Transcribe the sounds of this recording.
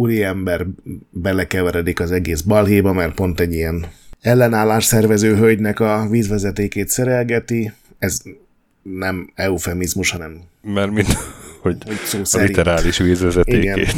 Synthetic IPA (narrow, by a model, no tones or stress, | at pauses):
uɾiɛmbɛrbɛlɛkɛvɛɾɛd̪ikɒzɛɡeːzbɒlɦeːbɒmɛr̚po̞nt̪ɛɟːijɛnɛlːɛnaːlːaːʃsɛrvɛzøːɦølɟnɛkɒviːzʋɛzɛt̪eːkeːt̪sɛɾɛlɡɛt̪i | ɛz | nɛmɛufɛmizmuʃhɒnɛmmarmint̪hohoɟsoːslit̪ɛɾaːliʃʋiːzʋɛzɛt̪ieːɡɛneː